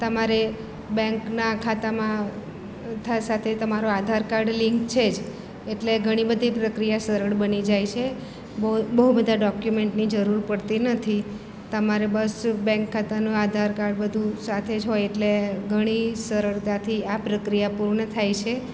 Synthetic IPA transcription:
t̪əmaɾe | bɛ̃ŋknakʰat̪amã | t̪ʰasat̪ʰet̪əmaɾoad̪ʱaɾkaɾɖliŋkt͡ʃʰed͡ʒ | eʈleɡʱəɽ̃ibəd̪ʱipɾəkɾijasəɾəɭbənid͡ʒajt͡ʃʰe | bbəɦubəd̪ʱaɖɔkjumeɳʈnid͡ʒəɾuɾpəɽt̪inət̪ʰi | t̪əmaɾebəsbɛ̃ŋkʰːat̪anũad̪ʱaɾkaɾɖbəd̪ʱũsat̪ʰed͡ʒɦojeʈleɡʱəɽ̃isəɾəɭt̪ãt̪ʰiapɾəkɾijapuɾɳət̪ʰajt͡ʃʰe

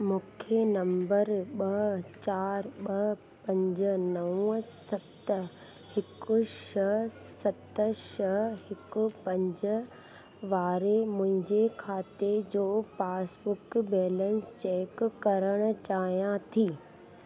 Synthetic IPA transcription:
mũːkʰenɐ̃mbəɾɓɐt͡ɕaːɾɓɐ | pɐ̃ɲd͡ʑənɐũsɐt̪ | hɪkʊʃɐsɐt̪əʃɐhɪkʊ̆pɐ̃ɲd͡ʑə̆ | ʋaːɾemʊ̃ɦɪ̃ɲd͡ʑekʰaːt̪ed͡ʑoːpaːsbʊkbɛːlə̃nst͡ɕeːkkɐɾəɽ̃ʊ̆t͡ɕaːɦijãt̪ʰiː

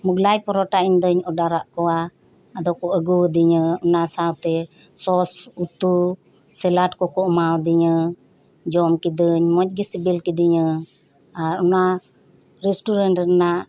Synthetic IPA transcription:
muɡlajpɔɾɔʈaiɲd̪əɲɔɖaɾaʔkɔaː | d̪ɔkɔʔəɡuəd̪iɲəɔnasawt̪ɛ | sɔsut̪u | sɛlaʈkɔkɔmawd̪iɲə | d͡ʒɔmkid̪əɲmɔc̪̚ɡisibilkid̪iɲə | aɾɔna | ɾɛsʈuɾɛnʈənaʔ

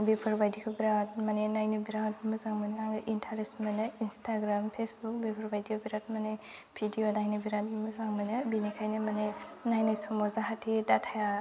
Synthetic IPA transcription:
bepʰɔɾbajdikʰɯbiɾat̚manenajnɯbiɾawt̚mɯzaŋmɯneaŋnɯʔintʰaɾesmanɯinstʰaɡɾampʰesbuk̚bepʰɔɾbajdikɔbiɾat̚mane | bʰʱidijonajnɯbiɾat̚mɯzaŋmanɯbinikʰajnimanenajnajsɔmɔzaɦatʰidatʰaja

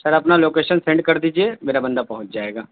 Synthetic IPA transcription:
sɐɾɐpnaloːkeːʃənsɛ̃ɳɖ̚kɐɾd̪iːd͡ʒiemeːɾabɐ̃nd̪apɐɦʊ̃t͡ʃd͡ʒaːeːɡaː

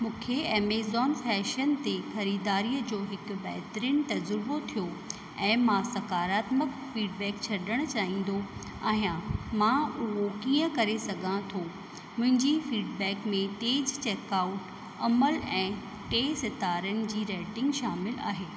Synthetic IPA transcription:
mũːkʰeeːmeːzɔːnfɛːʃənt̪exɐɾiːd̪aːɾijəd͡ʑoːɦɪkbɛɦt̪ɾiːnt̪ɐzɾɪbot̪ʰijo | ɛ̃ːmãsɐkaːɾaːt̪mək | fiːɖbɛːkt͡ɕʰɐɗəɽ̃ʊ̆t͡ɕaːɦĩːn̆d̪o | a̰ːɦjãmãʊɦokiːə̃kɐɾesɐɡʱãt̪ʰo | mʊ̃ɦɪ̃ɲd͡ʑifiːɖbɛːkmẽʈeːd͡ʑt͡ɕeːkaːʊʈ | ɐməlɛ̃ː | ʈeːsɪt̪aːɾənɪ̆d͡ʑiːɾɛːʈɪ̃ŋɡʃaːmɪla̰ːɦeː

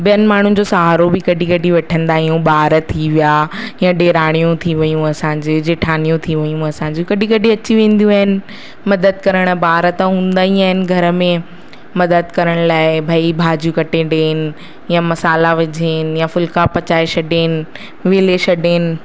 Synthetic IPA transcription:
bijənɪ̆maːɳ̤ʊnɪ̆d͡ʑosaɦaːɾobɪkɐɖĩkɐɖʱĩʋɐʈʰə̃nd̪aːɦijũbaːɾət̪ʰːiʋijaːjãɗeːɾaːɽ̃ijũt̪ʰiʋɐjũɐsãɲ̆d͡ʑeːd͡ʑeːʈʰaːnijũt̪ʰiʋɐjũɐsãːɲd͡ʑukɐɖʱĩkɐɖʱĩɐt͡ɕiʋẽːn̆d̪ijũaːɦɪnɪ̆ | mɐd̪əd̪̚kɐɾəɽ̃əbaːɾət̪ãɦũːn̆d̪aːĩaːɦɪnɪ̆ɡʱɐɾə̆mẽ | mɐd̪əd̪̚kɐɾəɽ̃laːɪbʱaːibʱaːd͡ʑjũkɐʈeɖeːnɪ̆ | jãmɐsaːlaʋɪd͡ʑʱeːnjãfʊlkapɐt͡ɕaːeʃɐɖeːnɪ | ʋeːleʃɐɗeːnɪ̆

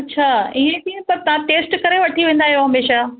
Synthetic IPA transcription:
ɐtːɕʰaːiɦẽt̪ʰipɐɾt̪ɐʋ̤ãʈeːsʈkɐɾeʋɐʈʰiʋẽːn̆d̪aːɦijoɦɐmeːʃa

